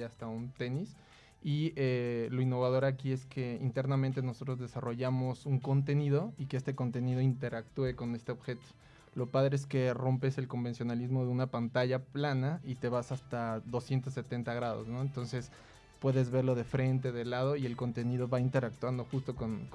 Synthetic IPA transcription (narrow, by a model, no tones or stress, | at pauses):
ast̪aunt̪e̞nis | ielo̞inːo̞βað̞o̞ɾakie̞ske̞ḭnt̪e̞ɾnamẽnt̪e̞noso̞t̪ɾo̞zðe̞saro̞ʝamo̞suŋko̞nt̪e̞niðo̞ikeest̪e̞ko̞nt̪e̞niðo̞int̪e̞ɾak̚t̪ue̞ko̞ne̞st̪eoβxe̞t̪o̥ | lo̞paðɾe̞eske̞ro̞mpe̞se̞lko̞mbe̞nsjo̞nalizmo̞ðeunapant̪aʝaplanait̪e̞βasast̪aðo̞sje̞nt̪osːe̞t̪e̞nt̪aɣɾaðo̰sno̞ent̪onse̞s | pwe̞ðe̞zβe̞ɾlo̞ðe̞fɾe̞nt̪̬e̞ðe̞lað̞o̞ie̞lko̞nt̪e̞niðo̞βaint̪e̞ɾak̚t̪wand̪o̞xust̪o̞kon